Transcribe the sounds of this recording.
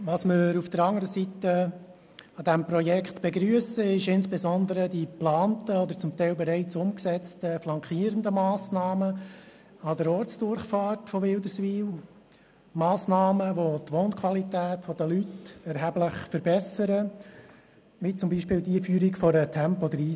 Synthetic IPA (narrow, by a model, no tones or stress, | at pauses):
ʋɑsməɾufd̥əɾɑŋəɾəsit̪ə | ɑd̪æmpɾɔjɛkχt̪b̥ɛɡɾyəsəɪʃɪnsb̥ɛzɔnd̪əɾəd̥iplɑːntəɔd̪əɾt͡sʊmt̪ɛɪlbɛɾɛɪt͡sʊmksɛt͡stəflɑŋkiːəɾənd̪əmɑːsnɑːmə | ɑd̪əɾɔːɾt͡sd̥ʊɾχfɑːtfɔʋɪld̪əsʋiːl | mɑːsnɑːməʋot̪ʋoːnkʰʋwɑlit̪æːtfɔd̥̪əlytɛɾɦæbləχfəɾbɛsəɾə | ʋit͡sʊmbiːʃpɪːld̪ifyːɾikfɔɾət̪ʰɛmpɔɔd̪əɾiː